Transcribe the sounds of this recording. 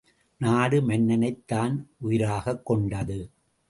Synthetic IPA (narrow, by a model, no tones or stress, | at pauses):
naːɽɯmɛnːɐnɐɪt̪ːaːnʔʊjɪɾaːɣɐkːɔɳɖɐðɯ